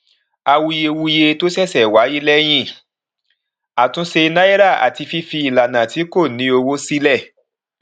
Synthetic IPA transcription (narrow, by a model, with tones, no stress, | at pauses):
a˧wu˧je˧wu˧je˧to˦sɛ˦˨sɛ˨wa˨˦ji˦lɛ˦j̃ĩ˦˨ | a˨tũ˨˦se˧na˦i˦ɾa˦˨a̰˨ti˧fi˦fi˧i˨la˨nã˨ti˨˦ko˦˨nĩ˨˦o˧wo˦si˦lɛ˦˨